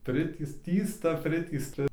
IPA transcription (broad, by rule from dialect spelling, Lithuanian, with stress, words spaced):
ˈpʲrʲɪtʲiːst ˈtʲiːstɐ ˈpʲrʲɪtʲiːstɐ